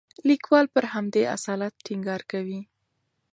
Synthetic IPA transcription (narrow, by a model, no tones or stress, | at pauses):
likwɑlpəɾhamd̪ea̰sɑlat̪̚ʈiŋɡɑɾkawi